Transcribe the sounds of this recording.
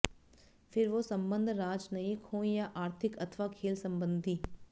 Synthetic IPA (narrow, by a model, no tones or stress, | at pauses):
fʰɪɾʋosɐ̃mbə̃nd̪ʱɾaːd͡ʒnɐikʰõːjaʔaːɾt̪ʰɪkɐt̪ʰʋakʰeːlsɐ̃mbə̃nd̪ʱiː